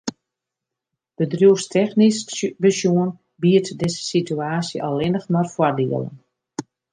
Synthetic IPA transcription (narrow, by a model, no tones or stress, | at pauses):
d̥ədrjuəstʰɛxnisbəsjuən | biərtdɪzə̥sityaːsjəʔɔlˠɪnəxmarfwɔrdḭələ̰n